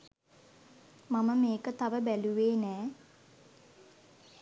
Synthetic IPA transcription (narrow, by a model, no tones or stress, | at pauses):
maməmeːkət̪aʋəbæluʋeːnɛː